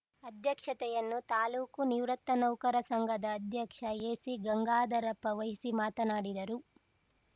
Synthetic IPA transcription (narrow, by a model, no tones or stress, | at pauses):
ɐd̪ʱjɐkʂɐt̪ɛjɐnːut̪aːluːkuniʋɾɐt̪ːɐnɐwkɐɾɐsɐŋɡʱɐd̪ɐːd̪ʱjɐkʂɐjeːsiɡɐŋɡaːd̪ɐɾɐpːɐʋɐɦisimaːt̪ɐnaːɽid̪ɐɾu